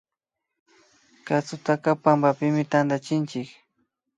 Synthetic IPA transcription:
kat͡sʊt̪akapambapɪmɪt̪and̪at͡ʃɪnt͡ʃɪk

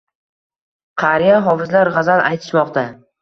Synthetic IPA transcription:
qʰɑɾijaɦɒvɪzlaɾʁɑzanʔajt̪ʰɪ̥ʃmɒqt̪ʰa

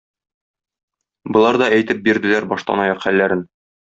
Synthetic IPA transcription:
bɤ̆lˠɑɾd̪ɒæjt̪ɘp̚biɾd̪ɘ̆læɾbɒʃlˠɑ̰nɑjɑqχælːæɾɘn

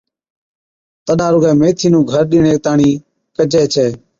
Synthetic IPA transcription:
t̪əɗaːɾʊɡɛːmeːt̪ʰiːnũːɡʱəɾɗɪːɳeːt̪aːɳiː | kəd͡ʒeːt͡ʃʰɛː

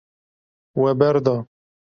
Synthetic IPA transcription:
wɛbɛɾd̪ɑː

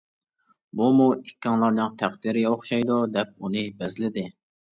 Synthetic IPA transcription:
bumuikʲːɑŋlˠɑɾnɨŋt̪ʰæχd̪ɪɾɪɡʲɛoχʃɑjd̪ud̪ɛp̚unɨbɛzlɪd̪ɪ

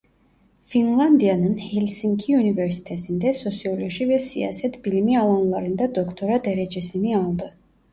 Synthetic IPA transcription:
finlˠand̪ianənhɛlsiŋkʰiunivɛɾsi̥t̪ʰɛsind̪ɛsɔsiɔlɔʒivɛsḭa̰sɛt̪ʰbilimialˠanlˠaɾind̪ad̪ɔkʰt̪ʰɔɾad̪ɛɾɛd͡ʒɛsimialˠd̪ɨ

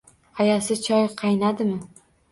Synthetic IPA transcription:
ajasɪt͡ʃʰɒjqʰɑjnad̪ɪmɪ

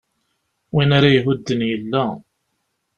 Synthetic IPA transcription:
winaɾajɦʊd̪ːənjəlːæ

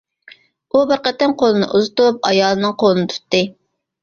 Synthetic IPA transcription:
ubəɾqət̪ːɪnqʰolˠɨnɨ̰ʔuzɨt̪up̚ɑ̰jɑːlˠɨnɨŋqʰolˠɨnɨt̪ʰu̥t̪ːɨ

